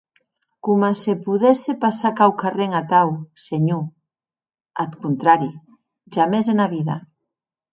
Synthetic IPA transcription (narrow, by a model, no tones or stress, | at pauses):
kumasepuðesepasakawkareŋat̪awseɲu | at̪kunt̪ɾaɾi | ʒamezðenaβiða